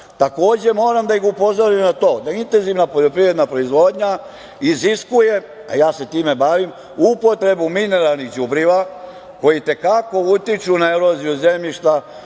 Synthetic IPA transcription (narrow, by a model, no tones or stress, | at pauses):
t̪ako̞ːd͡ʑe̞mo̞ːɾamd̪aiɡupo̞zoɾimnat̪o̞ːd̪aint̪e̞nziʋnapoʎo̞pɾiʋɾed̪napɾo̞izʋo̞ːd̪ɲa | iziskuje̞ | a̰jaːse̞t̪iːme̞baʋim | uuupo̞t̪ɾe̞bumine̞ɾalˠnixd͡ʑubɾiʋa | ko̞jit̪e̞kako̞ut̪it͡ʃunaeɾozijuzemʎiʃt̪a